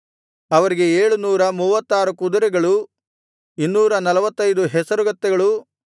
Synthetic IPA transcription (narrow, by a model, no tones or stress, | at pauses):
ɐʋɐɾiɡe̞eːɭunuːɾɐmuːʋɐt̪ːaːɾukud̪ɐɾɛɡɐɭu | inːuːɾɐnɐlɐʋɐt̪ːɐjd̪uɦɛsɐɾuɡɐt̪ːɛɡɐɭu